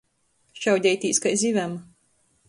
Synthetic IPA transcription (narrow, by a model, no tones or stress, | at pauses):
ʃawd̪ʲɛjt̪ʲiːskajzʲivʲam